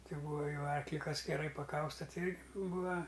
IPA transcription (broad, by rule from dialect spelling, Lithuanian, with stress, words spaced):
ˈtʲɪ ˈbuːɐ ˈjɛʊ ˈɐrklʲɪ ˈkɐs ɡʲɛˈrɐɪ pɐˈkɐʊstɐ ˈtʲɪ ˈɪrʲɡʲɪ ˈbuːɐ